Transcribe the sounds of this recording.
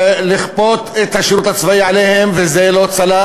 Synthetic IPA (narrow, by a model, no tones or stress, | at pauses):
liχpo̞t̪et̪haʃeɾut̪hat͡svaiʕalehemvezelot͡sala